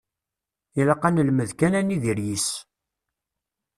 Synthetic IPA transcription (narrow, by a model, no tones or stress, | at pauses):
ilɑqːɑnəlməðkænæniðiɾjis